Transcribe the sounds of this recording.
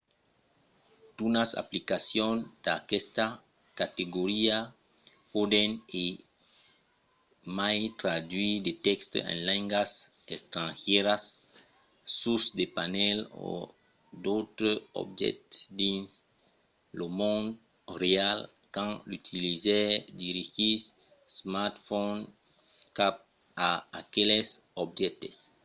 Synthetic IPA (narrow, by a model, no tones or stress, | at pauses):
t̪unasa̰plikasjõnd̪̥akɛst̪a | kat̪eɡoɾia | pod̪ene | majt̪ɾad̪ɥid̪et̪ɛkst̪o̰ḛ̃nlɛ̃ŋɡas | est̪ɾãnʒɛɾas | susd̪epanɛlo̰ | d̪ot̪ɾoo̰bʒɛ̰t̪d̪ĩns | lomõnd̪ | ɾeal | kãŋlyt̪ʰilizɛd̪iɾiɣis | smaɾt̪fon | kap̚ | aakelesobʒɛt̪es